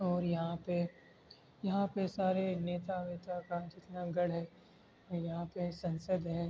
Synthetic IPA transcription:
ɔːɾjɐɦãpe | jɐɦãpesaːɾeneːt̪aʋeːt̪akad͡ʒɪt̪naɡɐɽɦɛː | ɔjɐɦãpesɐ̃nsəd̪ʱɦɛː

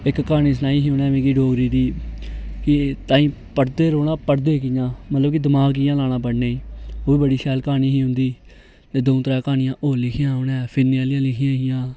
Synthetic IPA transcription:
ɪkkaːniːs̬ənaːiːɦiːɦonɛːʋẽːkiːɖoːɡɾiːd̪iː | kɪt̪ãːĩː | pəʈd̪eːɾoːɽãːpəʈd̪eːkɪjãːmət̪ləbkɪd̪ɪmaːɡɪjãːlaːɽãːpəɽneːoːiːbəɽiːʃɛːlkaːniːɦiːɦʊ̃nd̪iː | t̪eːd̪õːt̪əɾaːkaːnɪjãːʔoːlɪkʰɪjãːɦonɛ̃ːpʰɪnːjãːlɪãːlɪkʰɪjãːɦɪjãː

